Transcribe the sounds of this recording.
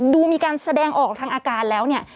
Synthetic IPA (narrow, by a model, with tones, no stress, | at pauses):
duː˧miː˧kaː˧nsa˧dɛː˧ŋʔɔː˨˩k̚t̪ʰaː˦˧ŋʔaː˧kaː˧nlɛː˦˥wni˥˩ɐ